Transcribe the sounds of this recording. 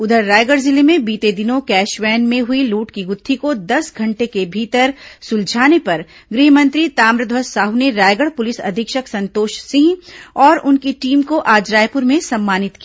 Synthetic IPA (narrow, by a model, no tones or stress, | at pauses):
ʊd̪ʱəɾːaːjɡəɽzɪlemẽbiːt̪ed̪ɪnõkɛːʃʋɛːnmẽɦʊiluːʈkiɡʊt̪ʰːikod̪ɐsɡʱɐ̃ɳʈekebʱiːt̪əɾsʊld͡ʒʱaːnepɐɾ | ɡɾiːɦmɐ̃nt̪ɾit̪aːmɾɪd̪ʱʋəsːaːɦuneɾaːjɡəɽpʊlɪsɐ̰d̪ʱɪkʃəksɐ̃nt̪oːʃsɪ̃ɦɔːɾʊnkiʈiːmkoʔaːd͡ʒɾaːjpʊɾmẽsɐmːaːnɪt̪ki